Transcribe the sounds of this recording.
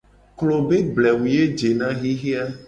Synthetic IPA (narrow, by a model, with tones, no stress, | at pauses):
klo˨be˦blɛ˨wu˨je˦d͡ʒe˨nã˦ɣi˦ɣi˦a˦